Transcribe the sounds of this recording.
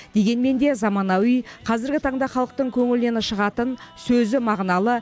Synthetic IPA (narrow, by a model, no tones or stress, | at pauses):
d̪̥e̞ɡʲe̞nme̞nd̪e̞zɑmɑnɑwijqʰɑzɪɾɡʲɪt̪ʰɑɴd̪ɑχɑlˠəq̚t̪əɴkʲʰɵŋɪld̪e̞nɪʃəʁɑt̪ənsɵzɪmɑʁnɑlˠə